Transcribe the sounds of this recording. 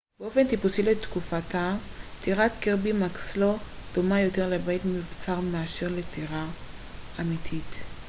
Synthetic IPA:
b̥eo̞fe̞nt̪ipusilet̪kufatat̪iʁat̪keʁbimakslod̪̥omajo̞te̞ʁlebajtmivt͡saʁmaaʃeʁletʰiʁa | amitʰit

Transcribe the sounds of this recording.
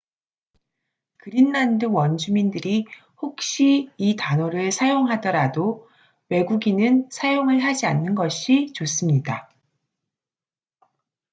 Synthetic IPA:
kɯɾinːandɯwʌnd͡ʑumindɯɾi | hok̚ɕ͈iːtanoɾɯɭsʰajoŋɦadʌɾado | we̞ɡuɡinɯnsʰajoŋɯɭɦad͡ʑianːɯnɡʌɕʰit͡ɕos͈ɯmɲida

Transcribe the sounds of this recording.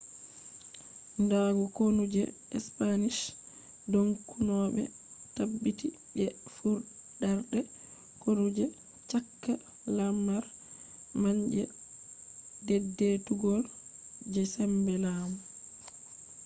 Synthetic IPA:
ndaɡɔkonud͡ʒɛ | ɛ̰spaniʃ | doŋkunɔːɓɛ̰ | tabːiti | ɓɛfuɾdaɾɗɛ | konud͡ʒɛ | t͡ʃakːa | lamːaɾ | maɲd͡ʒɛ | dɛdːetuɡɔld͡ʒɛsɛmbɛlaːmu

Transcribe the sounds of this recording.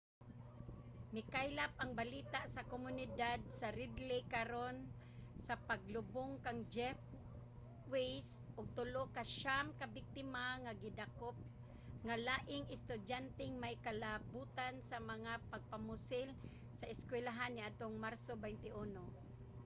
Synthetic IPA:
mɪkajlap̚ʔaŋbaliːt̪aʔsakomʊnɪd̪ad̪̚saɾɪd̪lɪkaɾon | sapaɡlʊboŋkaŋd͡ʒɛf | wejsʔʊɡ̚t̪ʊlokaʃamkabɪk̚t̪ɪmaŋaɡɪd̪akop̚ | ŋalaːʔɪŋɪst̪ʊdjant̪ɪŋmajkalabuːt̪ansamaŋapaɡ̚pamʊsɪl | saʔɪskwɛlaɦanːɪʔad̪̚t̪oŋmaɾsobɛjnt̪ɪʔuno

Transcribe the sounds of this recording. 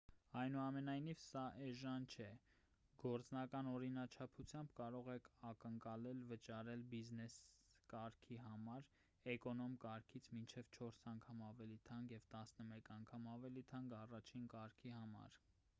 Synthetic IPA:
ɑjnuɑmɛnɑjnivsɑʔɛʒɑnt͡ʃʰɛ | ɡɔɾt͡snɑkɑnɔɾinɑt͡ʃʰɑpʰut͡sʰjɑmbkɑɾɔʁɛkʰɑkəŋkɑlɛlvət͡ʃɑɾɛlbiznɛskɑɾkʰiɦɑmɑɾ | ɛkɔnɔmkɑɾkʰit͡sʰmint͡ʃʰɛvt͡ʃʰɔɾsɑŋkʰɑmɑvɛlit̪ʰɑŋɡjɛvt̪ɑsnəmɛkɑŋkʰɑmɑvɛlit̪ʰɑŋɡɑrɑt͡ʃʰinkɑɾkʰihɑmɑ̰ɾ

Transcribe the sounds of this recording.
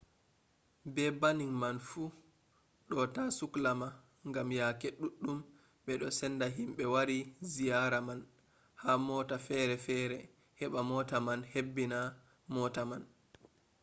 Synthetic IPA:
bɛbaniŋmanfuː | ɗɔtasuklama | ŋɡamjakeɗuɗːum | ɓɛɗɔsɛndaɦimɓɛwaɾizijaɾaman | hamɔːtafɛɾɛfɛːɾɛ | hɛɓamɔtamanhebːina | mɔtaman

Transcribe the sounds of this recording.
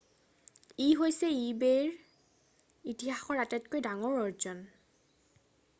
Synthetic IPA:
iɦojsɛibeɹ | itiɦaxɔɹatɛtkojdaŋɔɹɔɹzɔn

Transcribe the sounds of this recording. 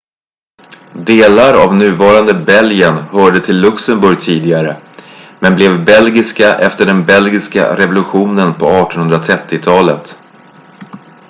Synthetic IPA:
d̪eːlaɾa̰vnʉ̟ːvɑːɾand̪əbɛlɡənhœːɖət̪ʰɪlːɵksəmbɵɾjt̪ʰiːd̪ɪɡaɾəmɛnblɛvbɛlɡɪskaʔɛft̪əɖɛnbɛlɡɪska̰ɾɛvʊlɵɧuːnənpʰɔɑːʈɔnhɵnd̪ɾat̪ʰɾɛt̪ːɪt̪ʰɑːlət̪

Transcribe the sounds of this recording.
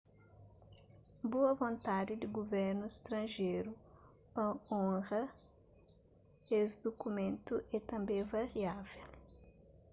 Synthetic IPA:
boɐvõnt̪ad̪ɪd̪ɪɡoveɾnʊɪst̪ɾɐ̃ʒejɾʊ | ɐ̃õʁɐ | esd̪okumẽnt̪ʊʔɛt̪ɐ̃mbẽj̃vaɾiavel

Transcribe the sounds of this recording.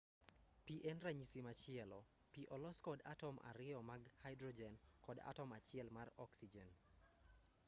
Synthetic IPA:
piʔɛnraɲisimat͡ʃɪɛlɔ | piʔɔlɔskɔda̰tɔma̰ɾɪɔmaɡhajdrɔd͡ʒɛnkɔda̰tɔmat͡ʃɪɛlmarɔksid͡ʒɛn

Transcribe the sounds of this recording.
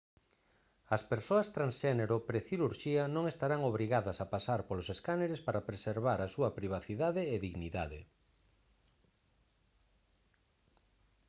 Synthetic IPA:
ɐspeɾsoɐst̪ɾansʃɛneɾopɾeθiɾuɾʃiɐnõŋest̪aɾaŋoβɾiɣaðɐsɐpasaɾpoloseskaneɾespaɾapɾeseɾβaɾɐsuɐpɾiβ̞aθiðaðeːðiɣniðaðḛ

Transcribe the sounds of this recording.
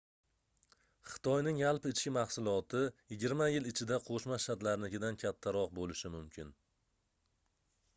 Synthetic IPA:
χɨ̥t̪ʰɒjnɪŋalˠpɪɪt͡ʃkʲɪmɑχsʊlˠɒt̪ʰɪjɪɡʲɪɾmajɪlɪt͡ʃʰɪd̪aqʰoʃmaʃat̪laɾlɪkʲɪd̪ankʲʰat̪ʰːaɾɒq̚bolɪʃɪmʊmkʲʰɪn

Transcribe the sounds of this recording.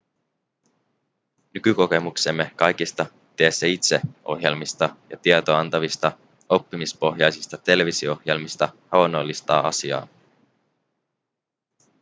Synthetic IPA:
nykyko̞ke̞mukse̞mːe̞kɑjkist̪ɑ | t̪eːsːæit̪se̞o̞ɦje̞lmist̪ɑjɑ̰t̪iet̪oɑnt̪ɑʋist̪ɑ | o̞pːimispo̞ɦjɑjsist̪ɑt̪e̞le̞ʋisioohjelmist̪ɑhɑonːo̞lːist̪ɑːɑ̰siɑ̰ː

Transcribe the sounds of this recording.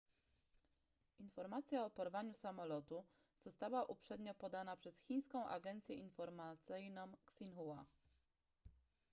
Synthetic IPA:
infɔɾmat̪sʲjaɔpɔɾvaɲusamɔlɔt̪u | z̥ɔst̪awaʔupʂɛd̪ɲɔpɔd̪anapʂɛsxʲij̃skɔ̃w̃ʔa̰ɡɛnt̪sʲjɛʔinfɔɾmat̪sɘjnɔ̃m̃ksinxuwa

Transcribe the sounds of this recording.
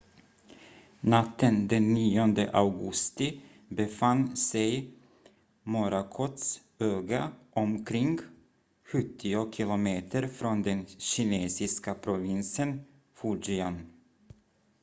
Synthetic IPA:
nat̪ːənd̪ɛnːiːɔnd̪ə̰ʔavɡɵst̪ɪ | bɛfanːsɛj | mɔɾakʰɔt̪s | øːɡaʔɔmkʰɾɪŋɡ | ɧɵt̪ʰːɪʊkʰɪlʊmeːt̪ʰəɾfɾɔnd̪ɛnɕɪneːsɪskapʰɾʊvɪnsən | fuɖɪan

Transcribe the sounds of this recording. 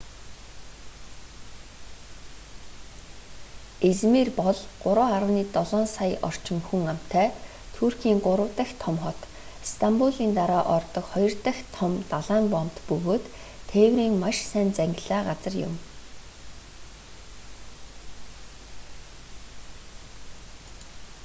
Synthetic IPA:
et͡smeːrpɔɮɢʊɾʊːaɾə̆wniːt̪ɔɮɔːnsajɔ̰r̥t͡ɕɪ̆ŋxuŋam̥t̪ʰæː | t̪ʰurxiːŋɢʊɾə̆wt̪ə̆xt̪ʰɔmχɔt̪ | st̪ʰampuɮiːnt̪aɾaːʔɔrt̪ɞ̆kχɔjɞ̆rt̪ə̆xt̪ʰɔmt̪aɮaːmpɔm̥t̪pɵɣoːt̪ʰː | eːwriːŋmaʃsæːnt͡sæŋʲɡʲɪ̆ɮaːɢat͡sə̆rjʊ̰m

